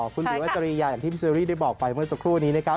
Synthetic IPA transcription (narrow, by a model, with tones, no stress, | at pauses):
kʰu˧nlluː˧˦ʔa˦˥t͡ɕa˧ɾiː˧jaː˧ja˨˩ŋt̪ʰi˥˩i˦˥sɾiː˥˩da˥˩jbɔː˨˩k̚pa˧jmɯ˥˩əsa˨˩kʰɾuː˥˩a˧nːiː˦˥na˦˥kʰ